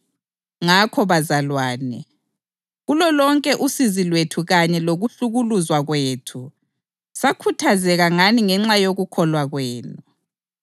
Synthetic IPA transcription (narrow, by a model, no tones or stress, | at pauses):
ŋakʰɔβazalwaːnɛ | ɣulɔlɔŋkʼɛʔusizilwetʰuɣaɲɛloɣuɬuɣuluzwaɣweːtʰu | sakʰutʰazɛɣaŋaniŋɛŋ͡ǁajoɣukʰɔlwaɣweːnu